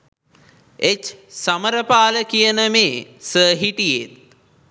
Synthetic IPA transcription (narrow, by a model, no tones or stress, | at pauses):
et͡ʃsaməɾəpaːləkijənəmeːsəːɦiʈijet̪̚